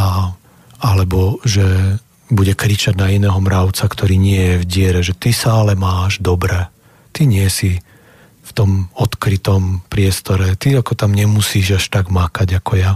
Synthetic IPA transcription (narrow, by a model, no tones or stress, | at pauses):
a | alɛbɔʒɛ | buɟɛkɾit͡ʃaɟnainɛːɦɔmɾaʊt͡sakt̪ɔɾiːɲɪɛjɛvɟɪɛɾɛʒɛt̪isaalɛmaːʒd̪ɔbɾɛ | t̪iɲɪɛsi | ft̪ɔmɔt̪kɾit̪ɔmpɾɪɛst̪ɔɾɛt̪iakɔt̪amɲɛmusiːʒaʃt̪aɡmakaɟakɔja